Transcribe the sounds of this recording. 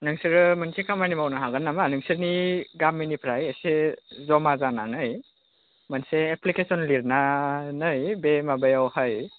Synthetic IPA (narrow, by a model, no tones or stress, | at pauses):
nɯŋsiɾɯmɯnsekʰamanimawnaɦaɡanːamanɯŋsiɾniɡamːinipʰɾajesezɔmazananɯj | manseːplikesɔnliɾnanɯjbemabajawhəj